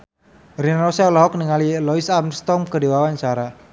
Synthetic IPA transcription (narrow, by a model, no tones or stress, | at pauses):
rinɔsaulɔɦɔk̚niŋalilɔisamst̪ɔmkədewawant͡ʃaɾa